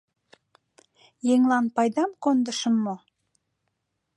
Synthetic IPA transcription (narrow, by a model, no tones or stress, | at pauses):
jeŋlˠɑnpɑjd̪ɑmkond̪ə̆ʃəmːo